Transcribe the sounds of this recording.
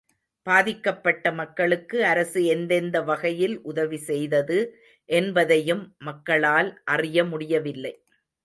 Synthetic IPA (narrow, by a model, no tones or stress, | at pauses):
b̥aːðɪkːɐpːɐʈːɐmɐkːɐɭɯkːɯɐɾɐsɯɛnd̪ɛnd̪ɐʋɐɣɐjɪlʔʊðɐʋisɛjðɐðɯ | ʔɛnbɐðɐjɯmːɐkːɐɭaːlʔɐrɪjɐmʊɽɪjɐʋɪlːɐɪ